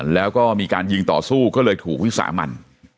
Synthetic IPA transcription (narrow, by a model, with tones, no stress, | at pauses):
lɛː˦˥wkɔː˥˩miː˧kaː˧nji˧ŋt̪ɔ̰ː˨˩suː˥˩kɔː˥˩lɤː˧jt̪ʰuː˨˩k̚wi˦˥sa̰ː˩˦ma̰˧n